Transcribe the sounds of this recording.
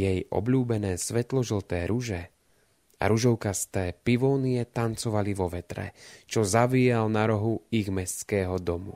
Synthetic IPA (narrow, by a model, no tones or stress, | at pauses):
jɛjʔɔ̰bʎuːbɛnɛːsʋɛt̪lɔʒl̩t̪ɛːɾuʒɛ | a̰ɾuʒɔʊkast̪ɛːpiʋɔːniɛt̪ant͡sɔʋaliʋɔʋɛt̪ɾɛ̰t͡ʃɔzaʋijalnaɾɔɦuiɣmɛst͡skɛːɦɔd̪ɔmṵ